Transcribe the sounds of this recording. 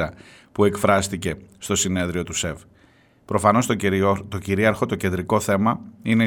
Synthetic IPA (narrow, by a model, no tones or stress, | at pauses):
ɐ | pue̞kfɾɐst̪ice̞st̪o̞sine̞ðɾio̞t̪use̞v | pɾo̞fɐno̞st̪o̞ciɾiɐɾxo̞t̪o̞ce̞nd̪ɾiko̞θe̞mɐine